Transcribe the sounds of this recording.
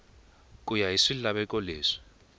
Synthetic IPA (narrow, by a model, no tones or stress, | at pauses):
k̬ʼujaɦisilaɓɛk̬ʼɔleːʂi̥